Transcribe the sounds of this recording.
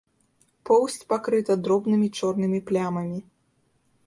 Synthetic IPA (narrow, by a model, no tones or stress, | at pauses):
pɔwsʲt͡sʲpakɾɨt̪ɐd̪ɾɔbnɨmʲit͡ʂɔrnɨmʲiplʲamɐmʲi